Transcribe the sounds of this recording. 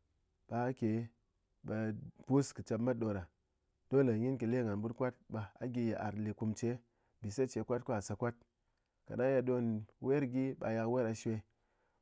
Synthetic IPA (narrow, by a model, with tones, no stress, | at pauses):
ɓ̥a˨˦kʲe˨ | ɓa˧pu˦skɨ˨t͡ʃa˧p̚ma˦t̚ɗo˧ɾa˨ | d̥o˦la˨ɲʲi˦nki˨le˦ŋa˨nbu˦tkʷa˦t̚ɓa˧a̰˨˦ɡʲi˧je˨ʔa̰˨ɾli˨ku˧mt͡ʃe˦ | bi˨se˦t͡ʃe˨˦kʷa˦t̚ku˦a˨sa˧kʷa˦t̚ | ka̰˨na˦ja˧do˧nwe˦ɾɡʲi˦ɓa̰˧ja˧kwe˦ɾa˧ʃe˧